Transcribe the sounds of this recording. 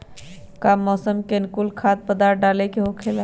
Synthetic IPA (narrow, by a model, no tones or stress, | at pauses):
kamːɔsəmkenkulkʰad̪̚pəd̪aɾ̚ɖalɛkeɦokʰela